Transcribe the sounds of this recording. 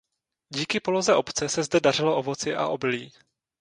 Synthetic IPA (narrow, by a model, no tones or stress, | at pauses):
ɟiːkɪpo̞lo̞zɛʔo̞pt͡sɛsɛzdɛdar̝ɪloʔovo̞t͡sɪʔa̰ʔo̞bɪliː